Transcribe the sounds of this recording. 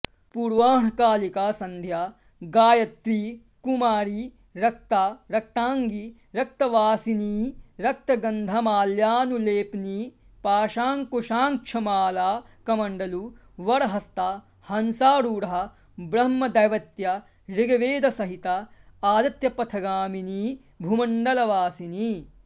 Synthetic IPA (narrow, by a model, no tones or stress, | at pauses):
puɾʋaːɳɐkaːlikaːsɐnd̪ʱjaː | ɡaːjɐt̪ɾiː | kumaːɾi | ɾɐk̚t̪aːɾɐk̚t̪aːŋɡi | ɾɐkt̪ɐʋaːsiniːɾɐk̚t̪ɐɡɐnd̪ʱɐmaːljaːnuleːpniː | paːʃaːŋkoʃaːŋkʂʰɐmaːlaːkɐmɐɳɖɐlu | ʋɐɽɐɦɐst̪a | hɐnsaːɾuːɾɐɦɐ̆ | bɾɐmːɐd̪ɐjʋɐt̪jɐ | ɾiɡɐʋeːd̪ɐsɐɦit̪ɐaːd̪ɐt̪jɐpɐt̪ʰɐɡaːminiː | bʱumɐɳɖɐlɐʋaːsiniː